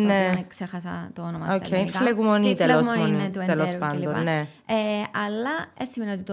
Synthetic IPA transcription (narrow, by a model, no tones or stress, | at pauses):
neksexɐsɐ̰t̪oonomɐokkʰːeifleɣumonit̪eloselospɐnd̪onːe | ɐlːɐesimeniot̪it̪o